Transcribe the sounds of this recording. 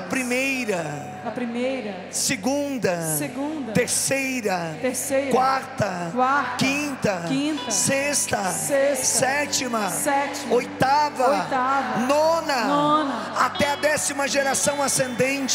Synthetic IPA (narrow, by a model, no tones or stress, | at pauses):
ɐpɾimejɾɐ | ɐpɾimejɾɐ | seɡũnd̪ɐseɡũd̪ɐt̪eɾsejɾɐt̪eɾsejkwaɾt̪ɐwakĩt̪ɐkĩt̪ɐsest̪ɐsessɛt͡ʃimɐsɛt͡ʃimojt̪avɐojt̪avɐnõnɐnonɐ | at̪ɛɐd̪ɛsimɐʒeɾasɐ̃w̃asẽnd̪ẽt͡ʃ